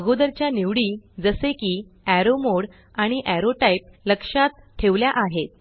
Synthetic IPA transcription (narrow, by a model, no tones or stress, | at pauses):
əɡod̪əɾt͡ɕjaniʋɽiːd͡zəsekiː | æɾomoɽ | aɽ̃iʔæɾoʈaipləkʂat̪̚ʈʰeʋljaʔaɦet̪̚